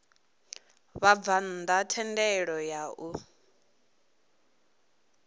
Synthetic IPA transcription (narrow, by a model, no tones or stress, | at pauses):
βab̪van̩d̪atʰɛndɛɺɔjaʔu